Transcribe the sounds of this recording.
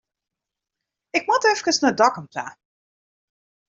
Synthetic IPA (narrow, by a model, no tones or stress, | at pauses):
ɪkmɔtɛfkəsnadɑkəmpla̰